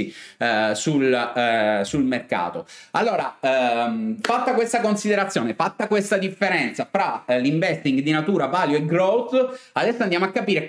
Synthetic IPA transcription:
i | sul | sulmerka̰ːt̪oalːoːɾa | fat̪ːakwest̪akonsid̪eɾat̪sjoːnefat̪ːakwest̪ad̪ifːeɾɛnt̪safɾaliɱvɛst̪iŋɡd̪inat̪uːɾavaːljoeɡɾowt̪ad̪ɛsːoand̪jamoakːapiːɾe

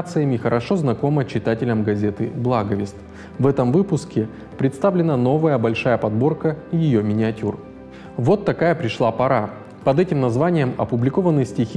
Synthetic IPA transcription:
t̪sɨjəmʲɪxəɾʔɐʂo̞znɐko̞mət͡ɕɪt̪atʲɪlʲəmɡɐzʲe̞t̪ɨblˠaɡəvʲɪst̪ | vɛt̪əmvɨpʊskʲɪ | pɾʲɪt̪st̪avlʲɪnəno̞vəjəbɐlʲʂajəpɐd̪bo̞rkəijɪjo̞mʲɪnʲɪɐtʲur | vo̞t̪ːɐkajəpɾʲɪʂlˠapɐɾa | pɐd̪ɛtʲɪmnɐzvanʲɪjəmɐ̰pʊblʲɪko̞vənːɨjsʲtʲixʲ

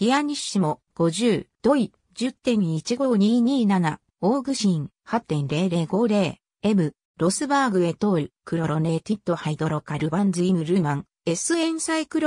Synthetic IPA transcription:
d̥ʲiaɲ̟iɕɨmo̞ | ɡ̥o̞ʑɨːd̪̥o̞i | d͡ʑɨt̪ːẽ̞ɲ̟it͡ɕiɡo̞ːɲ̟iːɲ̟iːnana | oːɡɯ̟ɕĩŋ | hat̪ːẽ̞nɾe̞ːɾe̞ːɡo̞ːɾe̞ː | e̞mɯ̟ | ɾo̞sɨbaːɡɯ̟e̞t̪o̞ːɾʲikɯ̟ɾo̞ɾo̞ne̞ːt̪it̪ːo̞haid̪o̞ɾo̞kaɾɯbãnzɨimɯ̟ɾɯ̟mãŋ | e̞sɨẽ̞ɰ̃saikɯ̟ɾo

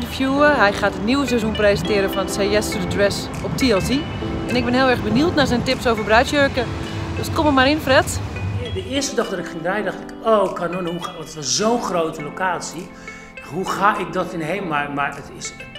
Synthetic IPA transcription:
dəfjuːəɦɛjxaːtətniwəs̬ɛzunprezəntɪəɾəfɔndəseɛsədədrɛs | ɔp̚tiɛlˠsi | ɛnɪk̚bɪnhɪːlˠɛrbənultnazɛjntɪpsowvərbrœɥtjøːkədøskoməmaɾɪnfrɛtdəɪəstədɔxdɔtɪkxɪŋdɛjdɔxtɪkoːkʰanonhuɔtətʋɔszoːnxrowtəlokaːsi | huxaːɪk̚dɔtɪnɦejmmamarətɪs

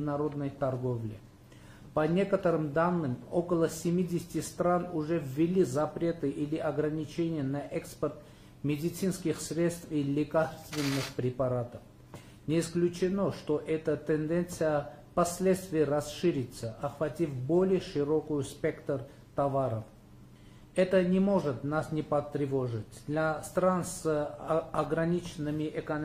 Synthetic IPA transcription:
nɐɾod̪nəjt̪arɡovlʲɪ̰ | pɐnʲekət̪əɾɨmd̪anːɨmokəlˠəsʲɪmʲidʲɪsʲɪ̥tʲɪst̪ɾanʊʐɛvʲːɪlʲizɐpɾʲe̞t̪ɨʔilʲɪʔɐɡɾɐnʲit͡ɕʰenʲɪjənɐʔɛkspərt̪ | mʲɪdʲɪt̪sɨnskʲɪxsɾʲet̪st̪filʲɪkarst̪vʲɪnːɨxpɾʲɪpaɾat̪əf | nʲɪːsklʲʉt͡ɕɪnoʂt̪oʔɛt̪ət̪ɛnd̪ɛnt̪sɨjəpɐsʲlʲet̪st̪vʲɪjəɾɐsʂɨɾʲɪt̪səʔɐxvɐtʲifbolʲɪjəʂɨɾokʊjʊspʲekt̪ər | t̪ɐvaɾəf | ɛt̪ənʲɪmo̞ʐɨt̪nasnʲɪpɐt̪ɾʲɪvoʐɨtʲd̪lʲast̪ɾans | ɐɡɾɐnʲit͡ɕɪnːɨmʲɪʔɛkɐn

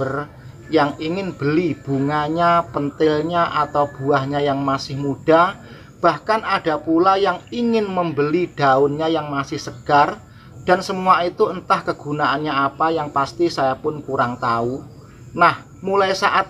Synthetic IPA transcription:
ər | jaŋiŋɪnb̥əlib̥ṳŋaɲapənt̪ɪlɲaʔat̪awb̥uahɲajaŋmasɪhmuɖ̥a | b̥ahkanʔad̥a̤pulajaŋiŋɪnməmbəliɖ̥aʊnɲajaŋmasɪhsəɡ̥ar | d̥a̤nsəmuait̪uənt̪ahkəɡ̥unaʔanɲaapajaŋpast̪isajapʊnkuɾaŋt̪au | nah | mulajsaʔat̪̚

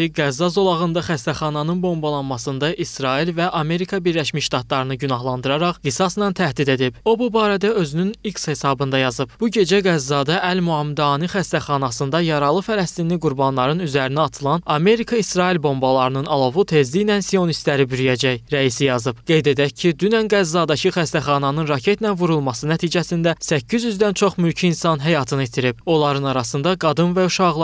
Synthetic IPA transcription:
iɡæzːɑzo̞lˠɑʁɯnd̪ɑχæst̪æχɑnɑnɯnbo̞mbɑlˠɑnmɑsɯnd̪ɑʔisɾɑilvæʔɑme̞ɾikʰɑbiɾlæʃmiʃt̪ɑt̪lˠɑɾɯnɯɟynɑɦlˠɑnd̪ɯɾɑɾɑχɡisɑsnɑnt̪ʰæhd̪id̪e̞d̪ibo̞bubɑːɾæd̪æø̞zynynikshe̞sɑbɯnd̪ɑjɑzɯb̥b̥uɟe̞d͡ʒæɡæzːɑːd̪ɑʔælmuɑmd̪ɑːnixæst̪æχɑnɑsɯnd̪ɑjɑɾɑlˠɯfælæst̪inliɡuɾbɑnlˠɑɾɯnyzæɾiniɑt̪ʰɯlˠɑnɑme̞ɾikʰɑisɾɑːilʲbo̞mbɑlˠɑɾɯnɯnɑlˠo̞vut̪ʰe̞zd̪ijnænsio̞nist̪læɾibyɾyjæd͡ʒæjɾæisijɑzɯb̥ɡ̥e̞jd̪e̞d̪æc̚cʰːid̪ynænɡæzːɑːd̪ɑcʰiχæst̪æχɑnɑnɯnɾɑcʰe̞t̪ʰnænvuɾulˠmɑsɯnæt̪ʰiːd͡ʒæsind̪æsæcʰːizjyzd̪ænt͡ʃʰo̞χmylcʰiːnsɑnɦæjɑt̪ʰɯnit̪ʰiɾibo̞lˠɑɾɯnɑɾɑsɯnd̪ɑɡɑd̪ɯnvæuʃɑʁlˠ

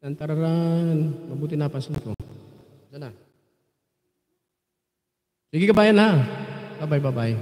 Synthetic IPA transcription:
t̪ɐnt̪aɾaɾanmɐbuːt̪ɪnapansanko | sana | siɡɪkɐbaːjanhababajbabaʔɪ

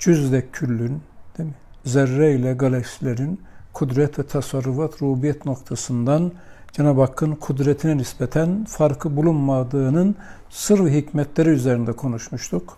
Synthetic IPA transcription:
d͡ʒyzd̪ɛylːynd̪̥emizɛɾːɛilʲɛɡalʲɛksilʲeɾinkʰud̪ɾɛt̪vɛt̪ʰasaɾːufat̪ʰɾuːbijɛt̪no̞kt̪ʰasɯnd̪an | d͡ʒanabakʰːɯnkʰud̪ɾɛt̪ʰinɛnisbɛt̪ʰænfaɾkʰɯbulˠunmad̪ɯːnɯn | sɯɾviɦicmɛt̪leɾiyzeɾind̪ɛkʰo̞nuʃmuʃt̪ʰuk

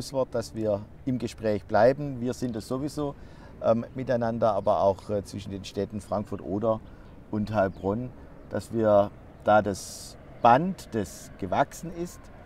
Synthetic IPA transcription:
ʊsv̥ɔɐt̚d̥asv̥iːɐ | ʔɪmɡəʃpʁ̥ɛːçb̥laɪbn̩viːɐzɪntdɛsz̥ovizoː | ʔɛmmɪtaɪnandɐaːbɐa̰ʊxt͡sv̥ɪʃn̩deːnʃtɛtn̩fʁ̥aŋkfʊɐtʔoːdɐ | ʔʊnthalb̥ʁɔn | d̥asviːɐ | d̥aːdas | b̥antd̥ɛs | ɡ̥əvaksn̩ɪst

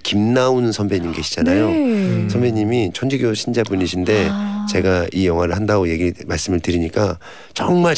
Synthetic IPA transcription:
kimnaunɯnsʰʌnbeɲimɡeɕʰid͡ʑanajosʰʌmbe̞ɲimit͡ɕʰʌnd͡ʑiɡjoɕʰind͡ʑabuniɕʰinde̞t͡ɕe̞ɡaijʌŋɦwaɾɯɭhandaɡoje̞ɡimaɭs͈ɯmɯɭtɯɾiɲik͈a | t͡ɕʌŋmaɭ

